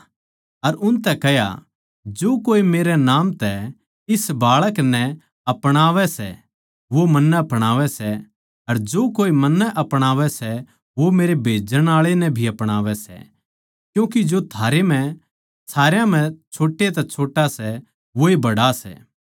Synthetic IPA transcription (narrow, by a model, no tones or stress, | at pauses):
ɐɾʊnt̪ɛkɛja̰ | d͡ʒoːkoːimeːɾɛnaːmt̪ɛ | ɪsbaːɭəknɛ | ɐpɽ̃aːʋɛsɛ̰ | ʋomɐnːəɐpɽ̃aːʋɛsɛ | ɐɾd͡ʒoːkoːimɐnːɛʔɐpɽ̃aːʋɛsɛ | ʋomeːɾebʱeːd͡ʒəɽ̃aːɭenɛ̃bʱiɐpɽ̃aːʋɛsɛ̰ | kjũːk̬id͡ʒot̪ʰaːɾem̤ɛ̃ | saːɾjãm̤ɛ̃t͡ʃʰoːʈːet̪ɛt͡ʃʰoːʈasɛ | ʋoebɐɽasɛ̰ː